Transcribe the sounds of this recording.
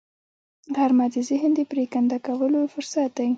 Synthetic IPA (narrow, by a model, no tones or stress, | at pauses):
ʁaɾmad̪izɪhənd̪əpɾekand̪akawəlofʊɾsat̪̚d̪ai